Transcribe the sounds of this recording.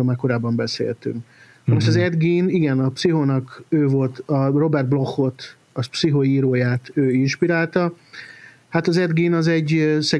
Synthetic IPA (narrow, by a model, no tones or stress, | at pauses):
omakːo̞ɾaːbːɒmbɛsḛːlt̪y̰ŋk | nɛmoʃt̪ɒzɛd̪ɡiːniɡɛnɒpsiɦonɒkøːvo̞lt̪ɒro̞bɛrd̪̚blo̞xːo̞t̪ | ɒspsiɦoiːɾoːjaːt̪øːinʃpiɾaːlt̪ɒ | hat̪ɒzɛd̪ɡiːnɒzɛɟːsɛ